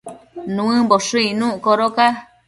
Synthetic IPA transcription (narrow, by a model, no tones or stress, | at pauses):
nũɨ̃boʂɨinũʔkoɾoka